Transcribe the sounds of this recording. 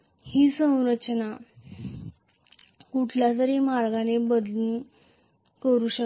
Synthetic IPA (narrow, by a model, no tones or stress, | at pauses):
hiːsə̃w̃ɾət͡ɕna | kuʈʰljat̪əɾemaɾɡanebəd̪u | kəɾuːɕə